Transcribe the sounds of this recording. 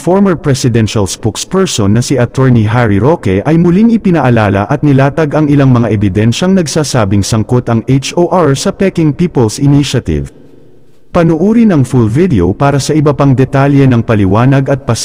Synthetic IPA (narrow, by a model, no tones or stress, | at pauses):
foɹmɐɹpɹɛsɪd̪ɛnʃɐlspokspɛɹsonːɐsiʔɐt̪ɔɹniɦaɹiɾokɛʔɐjmʊliŋɪpɪnɐʔɐlaːlɐ̰ʔɐt̪̚nɪlaːt̪ɐɡɐŋɪlaŋmɐŋaʔɛbɪd̪ɛnʃɐŋnɐɡsaːsaːbɪŋsɐŋkot̪ɐŋejt͡ʃoʔaɹsɐpɛkɪŋpiːpolsɪniʃɐt̪ɪ̰v | pɐnʊʔuːɾinɐŋfulvid̪ɛopaːɾɐsɐʔɪbɐpɐŋd̪ɛt̪aljɛnɐŋpɐlɪwaːnɐɡɐt̪̚pɐs